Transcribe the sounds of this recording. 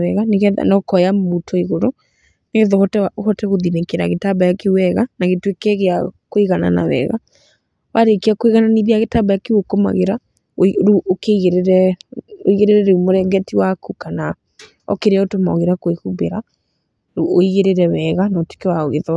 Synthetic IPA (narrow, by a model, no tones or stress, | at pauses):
ɛɣaneɣɛa̰nɔkɔjamutʰoiɣoɾo | neɣeðɔhɔtɛhɔtɛɣoðinekeɾa̰ɣetabajakewɛɣanaɣetwekɛɣeakoiɣana̰na̰wɛ̰ɣa̰ | waɾekeakoiɣananiðiaɣetabajakewokoma̰ɣeɾa | oɾuokeiɣeɾeɾɛo̰iɣeɾeɾɛɾɛumoɾɛɡɛtiwakukana | ɔ̰keɾeaotoma̰o̰ɣeɾakoehubeɾa | uoiɣeɾeɾɛwɛɣanɔte̥kewaoɣeðɔ